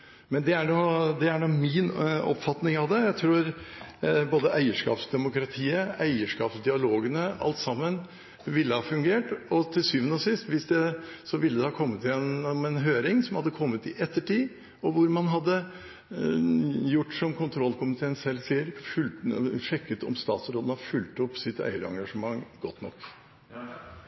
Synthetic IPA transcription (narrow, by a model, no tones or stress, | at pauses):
mɛnd̪ɛæɳɔd̪ɛæɳumɪnɔ̰pfɑt̪nɪŋɑʋd̪ɛjæɪt̪ʰɾuːɾ | boːd̪əʔæɪəʂkɑ̰ːpsd̪ɛmʊkɾɑt̪ʰiːəæɪəʂkɑːpsd̪ɪɑloːɡənəɑ̰lt̪sɑmːən | ʋɪlːəhɑːfʉŋɡeːʈɔt̪ʰɪlsyːʋənəɔsɪst̪ʋɪsd̪ɛsɔʋɪlːəd̪ɛhɑːkʰɔmːət̪ːɪɛnmɛnɦøːɾɪŋsɔmhɑd̪ːəkʰɔmːət̪ɪʔɛt̪ːəʈiː | ɔʋʊɾmɑnɦɑd̪ːə | jʊʈːsɔmkʰʊnt̪ʰɾɔlːkʰʊmɪt̪ʰeːnsɛːlːseːəɾfʉlt̪fɛkːət̪ɔ̰mst̪ɑːt̪sɾoːd̪n̩hɑɾfʉlt̪ɔpːsɪt̪æ̰ɪəɾɑ̰ŋɡɑʂəmɑŋːɡ̥ɔt̪nɔkː